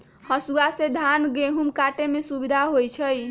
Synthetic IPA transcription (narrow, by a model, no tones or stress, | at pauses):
hʌsuased̪ʱanɡeɦumkaʈemesubid̪ʱaɦojt͡sʰʌj